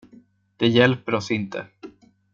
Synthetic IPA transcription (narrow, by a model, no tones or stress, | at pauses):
d̪̥ɛjɛlpəɾɔsɪnt̪ʰə̰